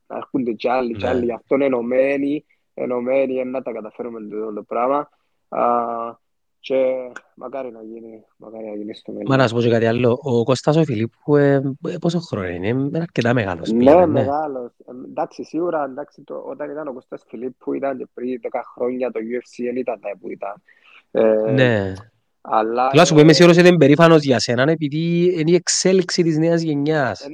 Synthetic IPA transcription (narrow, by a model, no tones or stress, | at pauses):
na̰kund̪et͡ʃalːit͡ʃalːijaft̪onenomeni | ḛnomenienːat̪ɐkat̪afeɾumend̪ond̪opɾama | t͡ʃemʔa̰kaɾinaʝini | ma̰kaɾinajinist̪umelmanas̬uposokat̪ialːoʔːkost̪as̬ofilipʰːueposoxɾonineenaɾket̪ameɣa̰losnemːeɣalosnd̪aksisiɣuɾɐnd̪aksit̪o̰ot̪ɐnit̪ɐnokost̪ɐsfilipʰːuit̪ɐnd͡ʒepɾiðɛkɐxɾoɲːɐt̪ojuefsienit̪ɐnd̪ɐipuḭt̪ɐn | ne | a̰lːaolasupoimes̬iɣuɾos̬iðembeɾifɐno̞zʝɐsenɐnep̬iðieniekseliksit̪izneɐzʝeɲːɐs